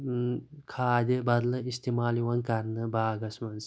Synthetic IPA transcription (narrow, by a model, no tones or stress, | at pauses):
kʰaːd̪ʲibɐd̪lɨist̪imaːliwɐnkɐɾnɨbaːɡɐsmɐns